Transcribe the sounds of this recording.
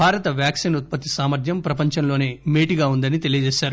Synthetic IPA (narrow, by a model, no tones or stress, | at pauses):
bʱaːɾɐt̪ɐʋjaːksiːnut̪̚pɐt̪ːisaːmɐɾd̪ʱjɐmpɾɐpɐɲt͡ʃɐmloːne̞ːmeːʈiɡaːund̪ɐnit̪e̞lijɐd͡ʒeːʃaːɾu